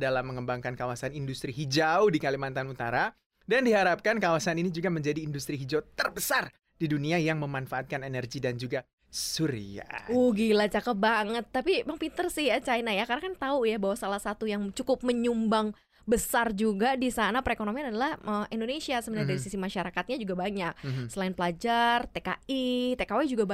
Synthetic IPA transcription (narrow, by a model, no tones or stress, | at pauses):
dalamːəŋəmbaŋkankawasanindust̪ɾiɦid͡ʒaʊdikalimant̪anut̪aɾa | dandiɦaɾap̚kankawasaninid͡ʒuɡaməɲd͡ʒadiːndust̪ɾiɦid͡ʒat̪ərbəsar | d̥iduniajaŋməmanfaat̪̚kanenɛrɡidand͡ʒuɡa | suɾḭa̰oɡilat͡ʃakəp̚baŋət̪ːapipaŋpint̪ərsɪhjat͡ʃajnajakarakant̪aujabaɦwasalahsat̪ujaŋt͡ʃukʊp̚məɲumbaŋ | bəsard͡ʒuɡadisanapəɾekonomianadalahʔəindonesiasəbənaɲadaɾisisimaʃaɾakat̪̚ɲad͡ʒuɡabaɲak̚səlaɪnpəlad͡ʒart̪eka̰ʔit̪ekawɛd͡ʒuɡab